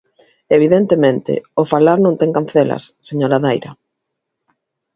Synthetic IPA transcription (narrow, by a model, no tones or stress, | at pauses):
eβ̞iðent̪emẽnt̪ɪ̰ofalaɾnõŋt̪ɛŋkanθɛlɐ̰sːeɲoɾaðajɾɐ